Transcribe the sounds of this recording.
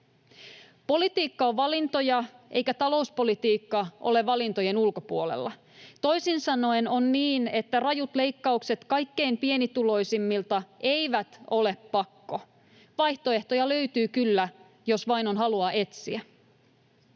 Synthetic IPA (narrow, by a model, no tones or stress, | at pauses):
po̞lit̪iːkːɑoʋʋɑlint̪o̞jɑʔe̞̰jkæt̪ɑlo̞uspo̞lit̪iːkːɑʔo̞̰le̞ʋɑlint̪o̞je̞nulko̞puolḛlːɑ | t̪o̞jsinsɑno̞eno̞nːiːne̞t̪ːærɑjut̪le̞jkːɑukse̞t̪kɑjkːe̞jmpie̞nit̪ulo̞jsimːilt̪ɑʔe̞jʋæt̪o̞le̞pːɑkːo | ʋɑjht̪oe̞ht̪o̞jɑlø̞yt̪yːkylːæ | jo̞sʋɑjno̞nɦɑluɑʔe̞t̪siæ